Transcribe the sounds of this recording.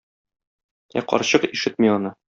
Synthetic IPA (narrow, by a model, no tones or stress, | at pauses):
æ̰qɒ̰ɾɕɤqiʃɘt̪̚miɒnɤ